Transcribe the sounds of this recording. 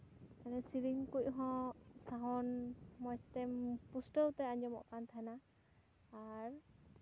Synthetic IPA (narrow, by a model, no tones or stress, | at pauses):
kanɛsiɾiŋkuc̚ˀɦɔ̃saɦɔnmɔjst̪ɛpusʈəwt̪ɛaɲd͡ʒɔmɔ̰ʔkant̪ʰaɛnaː | ɾ